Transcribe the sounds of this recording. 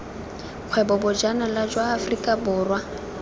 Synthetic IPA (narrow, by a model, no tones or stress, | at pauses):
q͡χʰwɛbɔbʊd͡ʒanalad͡ʒwaːfrikʼabʊːrwa